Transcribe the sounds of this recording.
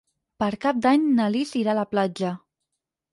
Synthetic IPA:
pəɾkap̚d̪aɲnalisiɾaləplad͡ʒə

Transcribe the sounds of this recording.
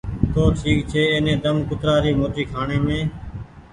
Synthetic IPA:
t̪oːʈʰiːkt͡ʃʰeːeːnẽːd̪əmkʊt̪ɾaːɾiːmoːʈiːkʰaːɳeːmẽː

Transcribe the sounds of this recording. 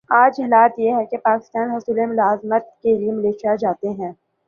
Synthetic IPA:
aːd͡ʒɪlaːt̪jeɦɛkepaːkɪ̥st̪aːnɦʊsuːlemʊlaːzmət̪̚keliemɪleːʃijad͡ʒaːt̪eɦɛ̃ː

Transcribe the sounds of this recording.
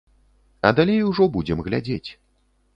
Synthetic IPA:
ɐd̪alʲejuʐɔbud͡zʲɛmɣlʲa̰d͡zʲet͡sʲ

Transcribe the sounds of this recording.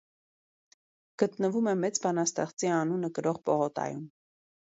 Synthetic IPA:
ɡ̥ət̪nəvumɛmɛt͡sbɑnɑst̪ɛχt͡siɑnunəkəɾɔʁpɔʁɔt̪ɑ̰jum

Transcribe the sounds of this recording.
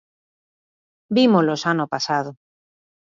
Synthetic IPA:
bimolosanopasað̞o

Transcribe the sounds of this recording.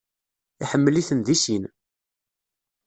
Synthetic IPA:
iħəmːəliθənðisin

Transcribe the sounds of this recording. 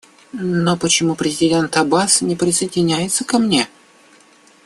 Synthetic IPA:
nopət͡ɕɪmupɾʲɪzʲɪdʲe̞nt̪ɐbasnʲɪpɾʲɪsəɪdʲɪnʲæjɪt̪səkɐmnʲe̞

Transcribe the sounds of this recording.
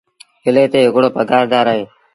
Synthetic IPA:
hɪleːt̪eːɦɪkɽoːpəɡaːɾd̪aːɾaɦeː

